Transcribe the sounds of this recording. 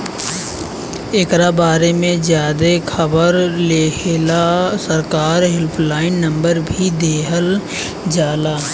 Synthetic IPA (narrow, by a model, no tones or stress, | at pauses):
eːkɾabaːɾemẽzjaːd̪ekʰəbəɾleːkʰelasəɾkaːɾɦɪlpʰlaːɪnːə̃mbəɾbʱid̪eːɦəl | d͡ʒaːla